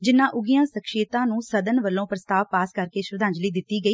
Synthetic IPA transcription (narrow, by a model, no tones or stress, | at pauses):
d͡ʒɪnːãːʔʊɡijãːsəkʃeːt̪ãːnũːsəd̪ənʋəlːõːpɾəst̪aːʋpaːskəɾkeːʃʊɾəd̪ãːɲd͡ʒliːd̪ɪt̪ːiːɡəiː